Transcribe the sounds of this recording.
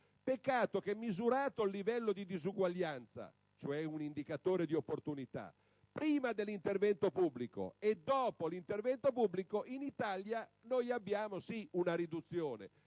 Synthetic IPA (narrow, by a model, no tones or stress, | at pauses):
pekːaːt̪ok̟ɛmːizuɾaːt̪olːivɛlːod̪id̪izuɡwaʎːant̪sa̰ | t͡ʃoɛunind̪ikat̪oːɾed̪iopːort̪unit̪a̰ | pɾiːmad̪elːint̪ervɛnt̪opubːliko̰ed̪ːɔːpolint̪ervɛnt̪opubːlikoʔinit̪aljanojabːjaːmosiunaɾid̪ut̪sːjoːnḛ